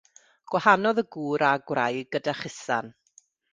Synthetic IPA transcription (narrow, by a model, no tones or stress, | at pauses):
ɡ̥wahanɔðəɡuːɾaɡwrajɡədaχɪsa̰n